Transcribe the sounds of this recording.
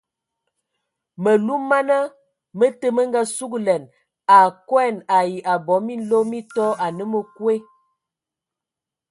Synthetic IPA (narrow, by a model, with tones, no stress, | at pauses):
mə˨lu˦mːa˦na˦ | mə˦tə˦mə˦ŋ˦ɡa˦su˦ɡlɛ˨n | a˨kwɛ˦˨na˨ji˨ʔa˨bɔ˨˦mi˦n˦lo˦mi˦tɔ˦a˨nə˦mə˨kwe˦